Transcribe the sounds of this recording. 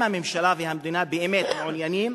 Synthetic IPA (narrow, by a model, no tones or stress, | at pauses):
amɪmʃalaːvihamd̪inabɪʔɪmeːt̪mʕʊnjaniːm